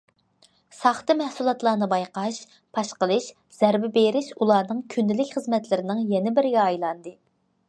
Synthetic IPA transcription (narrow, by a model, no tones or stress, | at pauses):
sɑχt̪ɨmɛhsulˠɑt̪lˠɑːnɨbɑjqɑʃ | pʰɑʃqəlˠɨʃ | z̥ɛɾbɪbeɾɪʃulˠɑːnɨŋkʲʰynd̪ɪlɪkʲχəzmɛt̪lɪɾɪnɪŋjɛnɪbɪɾɪɡʲɛɑjlˠɑnd̪ɨ